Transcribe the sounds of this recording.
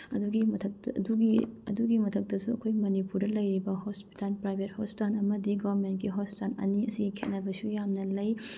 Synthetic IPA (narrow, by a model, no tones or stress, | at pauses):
ɐduɡimɐtʰɐduɡiɐ̰duɡimɐtʰɐk̚tɐsuɐkʰojmɐnipuɾdɐlɐjɾibɐhospi̥talpɾajbʱet̚hospitanɐmɐdiɡɐbɐɾment̚kiɦospitalɐ̰niɐsiɡikʰet̚nɐbɐsujamnɐlɐj